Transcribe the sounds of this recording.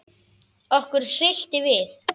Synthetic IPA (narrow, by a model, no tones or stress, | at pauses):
ɔhkʏɾ̥r̥ɪl̥t̪ɪvɪθ